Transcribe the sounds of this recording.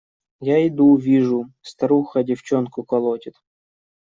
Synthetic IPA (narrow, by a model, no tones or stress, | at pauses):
jaɪd̪uvʲiʐʊst̪ɐɾuxɐdʲɪft͡ɕonkʊkɐlˠotʲɪt̪